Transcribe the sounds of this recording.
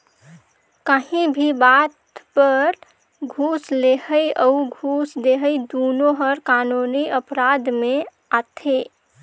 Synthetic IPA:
kaɦĩbʱibat̪pəɾ | ɡʱuslehəjəuɡʱusd̪eɦəjd̪onoɦəɾkanuniəpɾad̪mẽ | at̪ʰe

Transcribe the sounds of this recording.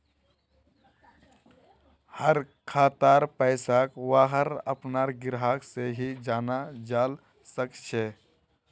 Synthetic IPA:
həɾ | kʰaːt̪aɾpəɪsakwaːɦəɾə̰pnaɾɡɪɾɦaːkseɦid͡ʒaːnad͡ʒaːl | səkt͡ʃʰɛ

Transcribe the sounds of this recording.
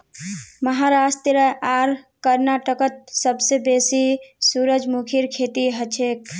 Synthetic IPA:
məɦaɾast̪eɾəaɾkəɾnaʈəkət̪̚səbsebesisuɾəd͡ʒmukʰiɾkʰet̪iɦət͡ʃʰek̚

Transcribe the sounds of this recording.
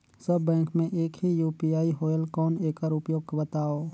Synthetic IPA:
səbːɛ̃ːkmẽʔeːkɦijuːpiːaːiɦoːjəlkɔːneːkəɾʊpjoːɡ̚kbət̪aːoː

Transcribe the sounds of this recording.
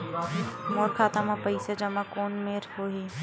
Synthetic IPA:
moːɾkʰaːt̪amãpəɪsed͡ʒɐmakoːnmeɾhoɦi

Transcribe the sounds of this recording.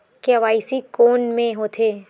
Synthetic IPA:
keɐʋaːɪsikoːnmẽɦoːt̪ʰeː

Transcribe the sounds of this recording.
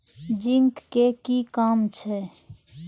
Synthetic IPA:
d͡ʒɪŋkːekikaːmt͡ʃʰɛ

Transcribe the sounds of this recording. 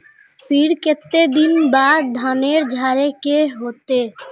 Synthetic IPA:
fiɾket̪ːed̪inbaɾd̪ʱaneɾd͡ʒʱaɾekeɦot̪e

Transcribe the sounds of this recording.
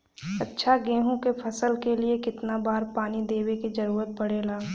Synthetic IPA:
ɐtːʃʰaɡẽːɦõkepʰɐsəlkeliekɪt̪nabaːɾpaːnid̪eːwekid͡ʒɐɾuːɾət̪̚bɐɽeːlaː

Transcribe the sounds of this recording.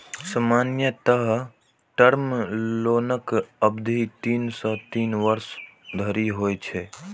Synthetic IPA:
səmaːnjət̪əɦə | ʈəɾmloːnəkəbd̪ʱit̪iːnsə̃t̪iːnʋəɾsd̪ʱəɾiɦoːjt͡ʃʰɛː

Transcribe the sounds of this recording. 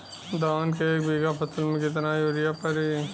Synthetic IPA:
d̪aːnkeeːk̚biːɡapʰɐsəlmẽkɪt̪̬najoːɾɪjapɐɾiː

